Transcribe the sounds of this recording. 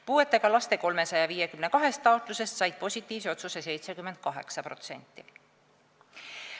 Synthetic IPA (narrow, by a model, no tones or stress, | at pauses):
puːe̞t̪ːˑe̞ɡ̥ɑlɑst̪e̞ko̞lme̞sɑjɑviːje̞kymnekɑɦe̞st̪ːˑɑo̞t̪ˑluse̞st̪sɑjd̪̥̚po̞sʲit̪ːˑiːvseo̞t̪suse̞se̞jt̪se̞kymːend̪̥̚kɑɦe̞̰ksɑpɾro̞̰t̪se̞̰nʲt̪ˑːi